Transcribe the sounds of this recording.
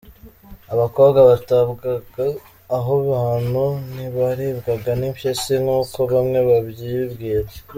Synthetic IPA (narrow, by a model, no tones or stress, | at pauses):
aβako̞ːβɡaβataβɡaɡaː | ɦoβahanhuniβaɾiβɡaɡanimpjesiŋuːko̞βamŋe̞βaβjiβɡiːɾa